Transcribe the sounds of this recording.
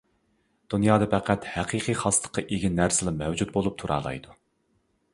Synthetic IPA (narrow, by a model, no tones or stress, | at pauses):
d̪̥unjɑːd̪ɨpʰæqæt̪hæqʰiqʰijχɑslˠə̥qʰːɑʔeɡʲinːæɾsɪlˠɑmɛwd͡ʒut̪̚bolˠup̚t̪ʰuɾʔɑ̰ːlˠɑ̰jd̪u